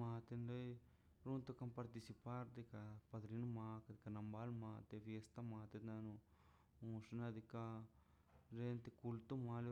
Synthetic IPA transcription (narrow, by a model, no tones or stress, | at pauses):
ãːt̪enloi | ɾunt̪okampɐɾt̪isipaɾd̪ikapɐd̪ɾinumaːkad̪ikanɐmbaːlmãːt̪efijest̪amãːt̪et̪anũ | ũːsnad̪ika | ɾent̪ekult̪umaːle